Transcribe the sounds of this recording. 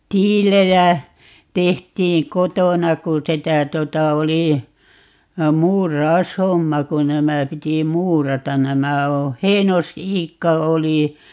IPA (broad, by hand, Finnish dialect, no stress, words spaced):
tiːlejæ tehtiːŋ kotonɑ ku sitæ totɑ oli muːrɑoshomːɑ ku næmæ piti muːrɑtɑn næmæ õː heinosiːkːɑ oli